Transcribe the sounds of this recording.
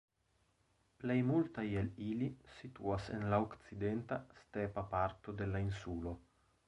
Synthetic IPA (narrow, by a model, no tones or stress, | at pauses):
plejmult̪ajelilisit̪uasḛnlaokt̪t͡sid̪ent̪ast̪epapaɾt̪od̪elainsulo